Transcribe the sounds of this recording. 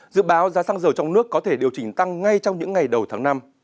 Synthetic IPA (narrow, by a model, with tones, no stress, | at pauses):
zɨ̰˧˨ɓaː˨˦wzaː˨˦saː˧ŋzəː˨˩wt͡ɕɔ˧wŋ͡mnɨ˦˥əkːɔ˨˦t̪ʰe˧˩ɗi˨˩əwt͡ɕï˧˩ŋ̟t̪a˧ŋŋa˧jt͡ɕɔ˧wŋ͡mɲɨ̰˧˥ŋːa˨˩jɗə˨˩wt̪ʰaː˨˦ŋna˧m